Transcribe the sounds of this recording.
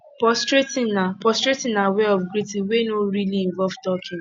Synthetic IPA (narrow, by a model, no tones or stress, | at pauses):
pɔstɹetĩapɔstɾetɪ̃naweɔfɡɾitiwenoɾiliĩɱvɔlvtɔkʰĩn